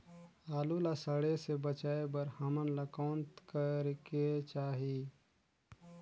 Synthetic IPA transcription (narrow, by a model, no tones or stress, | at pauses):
aːlulasəɽesebət͡ʃaːebəɾhɐmənləkoːnt̪kəɾket͡ʃaːɦi